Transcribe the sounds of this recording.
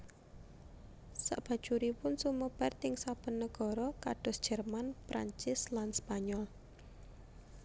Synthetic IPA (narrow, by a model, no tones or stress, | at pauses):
sa̰ʔb̥a̤̥ʒ̥uɾipʊnsuməb̥a̤rt̪ɪŋsab̥ə̤nːəɡ̥ɔ̤ɾɔkaɖ̥ɔsd̥ʒ̥ɛrmanpɾʔa̰ɲt͡ʃɪslanspaɲɔl